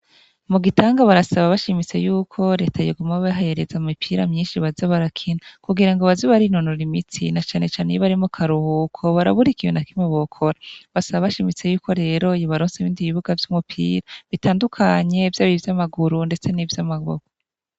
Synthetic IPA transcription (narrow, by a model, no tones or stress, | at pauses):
muɡitʰaːŋɡaβaɾasaβaβaʃimit͡se̞̰juːkʰo̞ɾe̞ːtʰajiɡumaβaɦajeɾezaumipʰiːɾamɲiːnʃiβazaβaɾakʰinakuɡiɾaŋɡoβaziβaɾinonoɾimit͡sinat͡ʃaːne̞t͡ʃaːnejiβaɾimukʰaɾuhukʰoβaɾa̰βuɾikijonakimeβokʰo̞ɾaβasaβaβaʃimit͡se̞juːko̞ɾe̞ːɾo̞joβaɾoːnseβiːndiβiβuɡavjumupʰḭːɾaβitaːndukʰaɲe̞vjaβivjamaɡuɾunde̞t͡se̞nivjamaɡo̰ɡo